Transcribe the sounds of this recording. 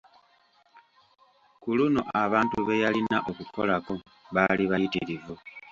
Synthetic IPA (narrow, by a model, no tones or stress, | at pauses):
kuluno̞ʔaβaːntuβe̞jalinaʔo̞kuko̞̰lako̞ | βaliβajitḭɾivu